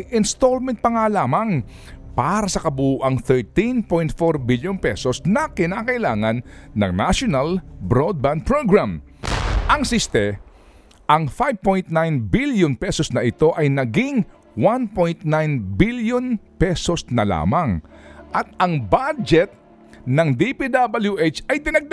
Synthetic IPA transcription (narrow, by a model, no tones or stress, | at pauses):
ʔɪnst̪olmɛ̃nt̪̚pɐŋaːlaːmɐŋ | paːɾɐsɐkɐbuʔɐŋθɛɹt̪inpojnt̪foɹbiljonpɛsosnɐkɪnaːkɐʔɪlaːŋɐnːɐ̰ŋnaʃonɐlbɾod̪̚band̪̚pɹoɡɹam | ʔɐŋsist̪ɛ | ʔɐŋfajv̚pojnt̪najnbiljonpɛsosnɐʔɪt̪o̞ʔɐjnɐɡɪŋ | wanpojnt̪̚najnbiljonpɛsosnɐla̰ːmɐŋʔɐt̪̚ɐŋbad͡ʒɛt̪̚ | nɐŋd̪ipid̪abɐljuʔet͡ʃɐjd̪ɪnɐɡ̚d̪